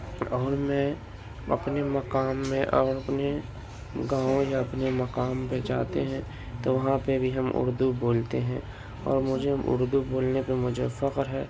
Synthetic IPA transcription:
ɔːɾmɛ̃ː | ɐ̰pnemɐkaːmːẽʔɔːɾɐpne | ɡãːõjaɐpnemɐkaːmped͡ʒaːt̪eɦɛ̃ | t̪oʋɐɦãpebʱiɦɐmʔʊ̰ɾd̪uboːlt̪eɦɛ̃ː | ɔ̰ːɾmʊd͡ʒʱeɦmʔʊ̰ɾd̪uboːlnepemʊd͡ʒʱḛfɐqɾɦɛː

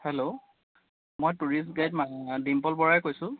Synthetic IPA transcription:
helo | mojtuɹisɡajtmadimpɔlbɔɹajkojsʊ̃

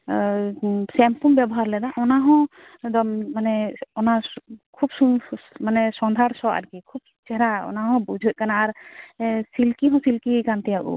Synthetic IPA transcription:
sɛmpumbjɛbɔɦaɾlɛd̪aʔɔnaɦɔ̃ | d̪ɔmmanɛɔnakʰubsumanɛsɔnd̪ʱaɾsɔa̰ɾɡikʰub̚ | t͡ʃɛɾaɔ̰naɦɔ̃bud͡ʒʱɔʔ̚kanaːɾ | silkiɦɔ̃silkikant̪ɛjaʔṵ

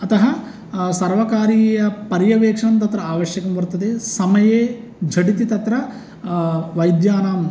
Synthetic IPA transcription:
ɐt̪ɐɦɐ | sɐɾʋɐkaːɾijɐpɐɾjɐʋeːkʂɐɐnt̪ɐt̪ɾɐaːʋɐʃjɐkɐmʋɐɾt̪ɐd̪esɐmɐjeː | d͡ʒʱɐʈit̪it̪ɐt̪ɾɐ | ʋɐjd̪jaːnaːm

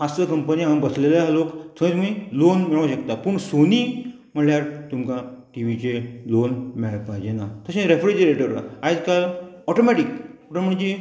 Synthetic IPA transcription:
fast̪əkəmpəniãbəslelaɦalokt̪ʰə̃et̪umilonmiɭaʋaɕəkt̪apəɳsoniː | m̤əɽljaɾt̪umkãʈiʋit͡selonmeɭpajd͡ʑenat̪əɕẽɾefɾed͡ʑɾeʈəɾad͡zkalɔʈomɛʈikpuʈãməɳ̃d͡ʑe

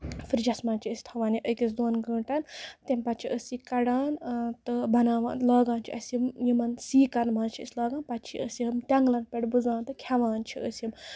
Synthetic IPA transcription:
fɨɾd͡ʒɐsmaːnt͡ʃʰiəsʲi̥t̪ʰɐʋaːniʔəkʲis̬d̪oːnɡə̃ːɳʈɐnt̪emʲpɐt̪̚t͡ʃʰiʔəsikɐɽaːnt̪ɨbɐnaːʋa̰ːnlaːɡãːnt͡ʃʰiʔɐsimjimɐnsiːkɐnmaːnt͡ʃʰiə̰sʲlaːɡaːnpɐtt͡ʃʰiʔəsiɦɐmt̪ʲɐŋɡlɐnpʲeɽʲbɨzaːnt̪ɨkʲʰɐʋaːnt͡ʃʰiəsjim

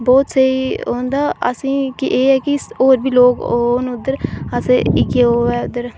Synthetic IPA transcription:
bɔːt̪səiɦoːnd̪aːə̰sĩːkiʔeːɦɛːkɪoːɾbʱiːloːɡoːnʊd̪əɾəseɪkeːoːɛːʊd̪əɾ

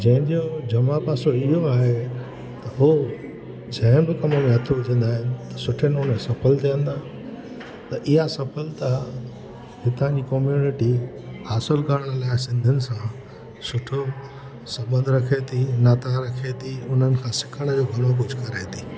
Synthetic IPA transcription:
d͡ʑɐ̃ɦɪ̃ɲd͡ʑod͡ʑɐmapaːsoɪɦoaːɦe | t̪ɐɦu | d͡ʑɐ̃ɦɪñbɪkɐməmẽɦɐt̪ʰoʋɪd͡ʑʱə̃nd̪aːɦɪ̃nɪ̆t̪ɐ̥sʊʈʰənʊnesɐfəlt̪ʰijə̃nd̪aː | t̪ɐʔɪɦasɐpəlt̪a | ɦɪt̪ãɲd͡ʑiːkɔːmjuːnɪʈi | haːsɪlkaɾəɽ̃laːɪsɪ̃nd̪ʱənɪ̆sã | sʊʈʰo | sɐbə̃nd̪ʱɾɐkʰet̪ʰinaːt̪aɾɐkʰet̪ʰiʊn̤ənɪ̆kʰãːsɪ̥kʰəɽ̃əd͡ʑoːɡʱɐɽ̃ok̬ʊd͡ʑʱkɐɾaːt̪ʰiː

